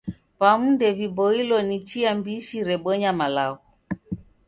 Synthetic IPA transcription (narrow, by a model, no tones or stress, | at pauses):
pamundɛvibɔilɔnit͡ʃiambiʃiɾɛɓɔɲamalaɣu